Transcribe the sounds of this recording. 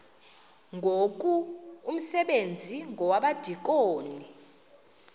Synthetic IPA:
ŋɡʱok̬ʼuum̩sɛɓend͡zʱiŋɡʱɔwaɓad̥ʱik̬ʼoːni

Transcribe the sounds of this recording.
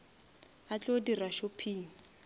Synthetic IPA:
at͡ɬʼodiraʃopʰiːŋ̩

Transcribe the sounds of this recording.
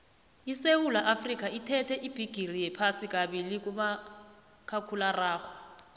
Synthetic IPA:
isewulaʔafrik̬ʼaitʰɛtʰɛʔib̥ʱiɡ̥ʱirijɛpʰasikʼaɓilik̬ʼuma | kʰakʰularaːxɔ̥

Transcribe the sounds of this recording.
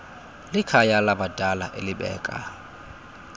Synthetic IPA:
lɪkʰajalabad̥ʱalaʔḛlɪbɛ̰ːkʼa̰

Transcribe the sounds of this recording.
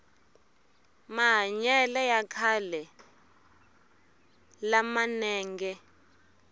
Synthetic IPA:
maɦaɲɛlɛjakʰalɛ | lamanɛːŋɡɛ

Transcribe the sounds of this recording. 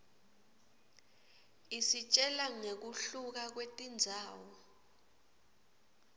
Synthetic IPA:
isit͡ʃʼɛlaŋek̬uɬuk̬ak̬wetʼind͡zʱaːwɔ

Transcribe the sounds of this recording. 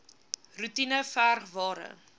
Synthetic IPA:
rutinəfærχvɑːɾə̰

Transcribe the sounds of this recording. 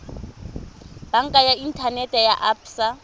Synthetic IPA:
b̥aŋ̩kʼajain̩tʰanɛtʼɛjaʔapʰsa

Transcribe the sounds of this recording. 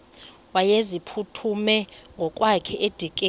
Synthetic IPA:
wajezipʰutʰumɛŋɡʱɔkʼwakʰɛʔed̥ʱik̬ʼe

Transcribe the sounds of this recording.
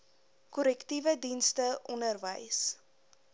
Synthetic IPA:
kɔlɛktivədinstəʔɔnərvəjs

